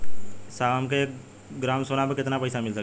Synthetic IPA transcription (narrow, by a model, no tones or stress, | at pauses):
saːmkek | ɡɾaːmsoːnapɐkɪt̪napɐɪsamɪlsɐk̚